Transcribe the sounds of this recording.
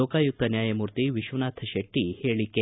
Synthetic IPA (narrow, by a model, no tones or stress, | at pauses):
okajuk̚t̪ɐnjaːjɐmuɾt̪iʋiʃʋɐnat̪ʰɐɕeʈːiheːɭike